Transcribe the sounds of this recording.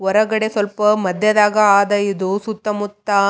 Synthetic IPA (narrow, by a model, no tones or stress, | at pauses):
ɔɾɐɣɐɽesɔlpɐmɐd̪jɐðaːɣɐaːðɐjuðusʊt̪ːɐmʊt̪ːaː